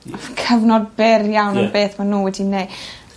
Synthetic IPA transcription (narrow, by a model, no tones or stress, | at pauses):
kʰəvnɔd̚bɪrjawnənbeːθmanuːwɛdinej